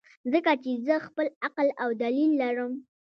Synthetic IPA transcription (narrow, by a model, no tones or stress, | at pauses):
zəkat͡ʃezəxpəlaqlawd̪alilːaɾəm